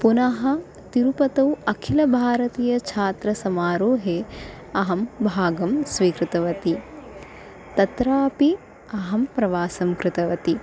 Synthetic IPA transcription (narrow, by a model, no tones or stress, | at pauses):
punɐɦɐ | t̪iɾupɐt̪ɐwɐkʰilɐbʱaːɾɐt̪iːjɐt͡ʃʰaːt̪ɾɐsɐmaːɾoːɦe | ɐɦɐmbʱaːɡɐmsʋiːkɾɪt̪ɐʋɐt̪i | t̪ɐt̪ɾaːpi | ɐɦɐmpɾɐʋaːsɐmkɾɪt̪ɐʋɐt̪i